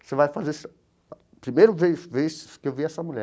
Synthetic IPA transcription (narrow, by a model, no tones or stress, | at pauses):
sevajfazes | pɾimejɾʊveveskɪewviɛsɐmuʎɛ